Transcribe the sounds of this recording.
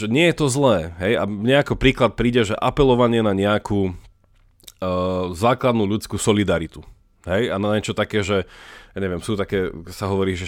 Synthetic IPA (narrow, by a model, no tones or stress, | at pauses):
ʒɛɲɪɛjɛt̪ɔzlɛːɦɛjamɲɛakɔpɾiːklat̪̚pɾiːɟɛʒɛʔapɛlɔʋaɲɪɛnaɲɛakuː | zaːklad̪nuːʎut͡skuːsɔlid̪aɾit̪u | ɦɛjanaɲɛt͡ʃɔt̪akɛːʒɛjaːɲɛʋɪɛmsuːt̪akɛːsaɦɔʋɔɾiːʒɛ